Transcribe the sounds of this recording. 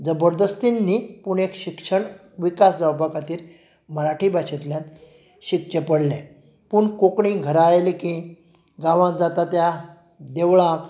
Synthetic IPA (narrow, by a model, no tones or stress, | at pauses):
d͡zəbəɾd̪əst̪inːipuɳekɕikʂəɳ | ʋikasd͡zawbakat̪iːɾ | məɾaʈʰibaɕit̪ljãnt̪ | ɕikt͡ɕəpəɽlɛ̃ | puɳkokɳiɡʱəɾajlikĩ | ɡãʋãd͡zat̪at̪ja | d̪eʋɭãk